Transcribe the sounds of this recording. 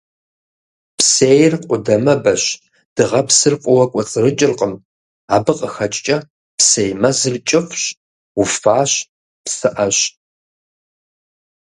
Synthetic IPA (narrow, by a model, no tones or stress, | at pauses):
psejrqʷʼʊdɐmɐbɐɕ | d̥ɨʁɐpsɨrqʷʼɔwɐkʷʼɔt͡sʼɨrɨt͡ʃʼɪrqʼəm | aːbɨqʼəxɐt͡ʃʼt͡ʃʼɐ | psejmɐzɨrt͡ʃʼɪfɕ | ufaːɕ | psɨʔɐɕ